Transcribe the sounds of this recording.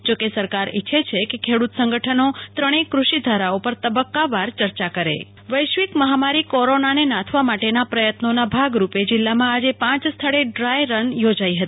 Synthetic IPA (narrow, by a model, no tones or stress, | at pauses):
d͡ʒokesəɾkaɾiːʃʰet͡ʃʰekekʰeɽut̪sə̃ŋɡəʈʰənot̪ɾəɽ̃ekɾuʃid̪ʱaɾaopəɾt̪əbəkːaʋaɾt͡ʃəɾt͡ʃakəɾḛ | ʋəjʃʋikməɦamaɾikɔɾonanenãt̪ʰʋamaʈenapɾəjət̪nonabʱaɡɾuped͡ʒɪlːamãad͡ʒepãt͡ʃst̪ʰəɭeɖɾajɾənjod͡ʒaiɦət̪i